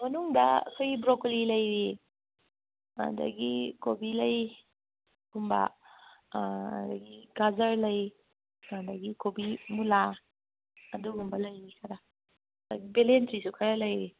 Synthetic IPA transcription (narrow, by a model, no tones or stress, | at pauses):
mɐnuŋdɐɐ̰kʰojɡibɾoklilɐjɾi | a̰dɐ̰ɡikobilɐj | ɡumbɐ̰ | dɐ̰ɡiɡazɐɾlɐj | ɐdɐɡikobimulaː | duɡumbɐlɐjnikʰɐɾa | dɐɡibelentɾisukʰaɾalɐjɾi